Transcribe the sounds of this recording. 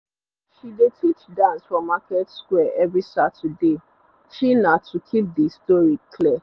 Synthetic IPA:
ʃidetʰit͡ʃdãnsfɔ̃makɛtskwɛʔɛvɹisatude | ʃinatʰukʰip̚distɔɹikʰlɛ

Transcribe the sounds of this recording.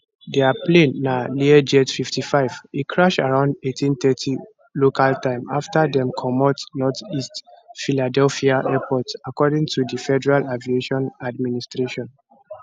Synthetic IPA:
dɛaplẽnːaliɛd͡ʒetfiftifaɪvekʰɹaʃaɹãʊ̃ndetʰĩnθɛtʰi | lokaltãɪ̃ma̰ftadɛ̃mkʰɔmɔtnɔtistfiladɛlfiaʔɛpʰɔtsakɔdĩŋtʰudifɛdɛɹalavieʃɔ̃nadministɹeʃɔ̃n

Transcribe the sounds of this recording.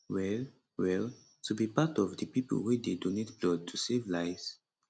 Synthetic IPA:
wɛl | wɛl | tubipatɔvdəpipə̰lwidedonetblɔd̚tʰusevlaɪz̥

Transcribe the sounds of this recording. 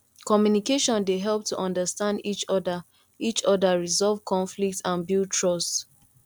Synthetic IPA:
kɔmjunikeʃɔ̃ndeɦɛlp̚tʰuʔɔ̃ndəstãndit͡ʃdə | it͡ʃɔdaɹizɔlˠvkʰɔ̃nflik̚tãnbiltʰɹɔst

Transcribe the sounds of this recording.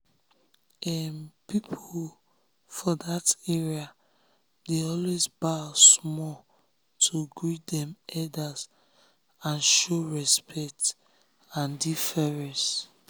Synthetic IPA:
ɛmpipʰo | fɔdatɛɹia | deɔlwezbasmɔ | tʰoɡɹitdɛ̃mɛdaz | ãnʃoɹɛspʰɛk̚t | ãndifɛɹɛ̃s

